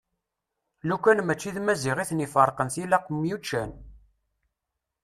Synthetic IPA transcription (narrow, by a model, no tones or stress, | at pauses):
lukʷːænmæt͡ʃːiðmæziʁiθnifəɾˤqənθilæqmjut͡ʃːæn